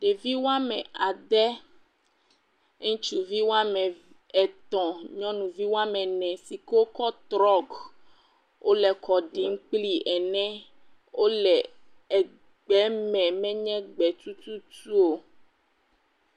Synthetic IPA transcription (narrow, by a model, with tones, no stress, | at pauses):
ɖe˨vi˦wa˦mɛ̃˨a˨d̪ɛ˦ | t͡ʃu˦˨vi˦wo˦a˦mɛ̃˨ | ɛ˨t̪ɔ̃˨ɲɔ̃˦nũ˨vi˦wo˦a˦mɛ̃˨nɛ̃˨si˨ke˦o˦kɔ˦t̪ɾɔ˦ɡ | wʔo˦lɛ˨kɔ˨ɖi˨˦ŋ˦k͡pli˦ʔɛ˨nɛ̃˦ | wo˦lɛ˨ | ɛ˨ | ɡ͡bɛ˨˦mɛ̃˨mɛ̃˦ɲɛ̃˦ɡ͡bɛ˨t̪u˦t̪u˦tu˦o˨